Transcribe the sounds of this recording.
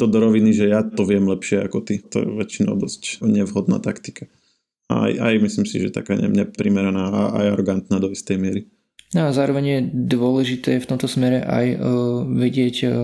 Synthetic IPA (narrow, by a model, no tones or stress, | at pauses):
t̪ɔd̪ɔɾɔʋiniʒɛjat̪ɔʋɪɛmlɛpʃɪɛa̰kɔt̪it̪ɔ̰jɛ̰ʋɛt͡ʃinɔ̰ʊd̪ɔscɲɛʋɦɔd̪na̰ːt̪akt̪i̥ka | aa̰jʔa̰jmislimsḭʒɛ̰t̪a̰ka̰ːɲɛ̰ɲɛpɾimɛɾɛnaːaʔa̰jaɾɔɡant̪naːd̪ɔist̪ɛjmɪɛɾi | nazaːɾɔʋɛɲjɛd̪ʋʊɔlɛʒit̪ɛːjɛft̪ɔmt̪ɔsmɛɾɛ̰ʔa̰jʋɛɟɪɛc